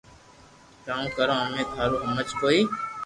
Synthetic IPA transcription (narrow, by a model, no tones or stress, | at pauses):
kãːũːkəɾõːəmẽːt̪ʰaːɾuːɦəmət͡ʃkoːiː